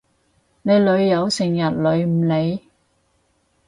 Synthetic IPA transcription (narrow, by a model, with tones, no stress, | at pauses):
ne˨˧jlɵ˨˧ɥjɐ˨˧wsɪ˨˩ŋjɐ˨t̚lɵ˨˧ɥm̩˨˩le˨˧j